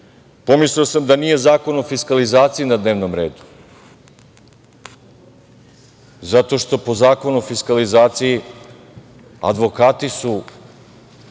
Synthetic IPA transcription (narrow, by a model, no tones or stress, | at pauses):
po̞misliosamd̪anijezaːko̞nofiskalizaːt̪sijinad̪ne̞ːʋno̞mɾe̞ːd̪u̥ | zat̪o̞ʃt̪o̞po̞zaːko̞nuofiskalizaːt̪siji | a̰d̪ʋo̞kaːt̪isu